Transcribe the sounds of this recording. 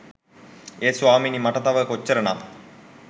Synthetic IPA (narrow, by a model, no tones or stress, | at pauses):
eːsʋaːminimaʈət̪aʋəkot͡ɕːəɾəna